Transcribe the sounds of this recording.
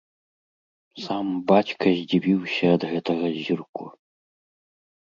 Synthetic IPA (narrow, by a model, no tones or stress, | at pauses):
sambat͡ɕkʰɐzʲd͡ʑʲibʲiwɕʲɐːd̪ɣɛt̪ʰɐɣɐʑʲirkʷʰu